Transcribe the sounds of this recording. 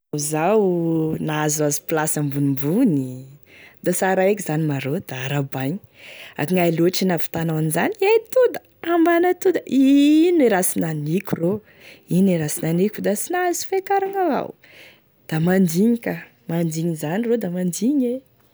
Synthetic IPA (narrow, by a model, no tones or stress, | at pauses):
zawnazazi̥plasəmbunimbuni | d̪asaɾaekizanimaɾod̪̥aaɾabaɲi̥ | a̰kiŋaluaʈ͡ʂinavi̥t̪anawanizanajt̪ud̪a | ambanat̪ud̪aʔiniɾasinanikʲuro | iniɾasinanikʲud̪asinazi̥fakaɾaŋava̰w | d̪̥amand̪iɲika | mand̪iɲizanirod̪amand̪iɲe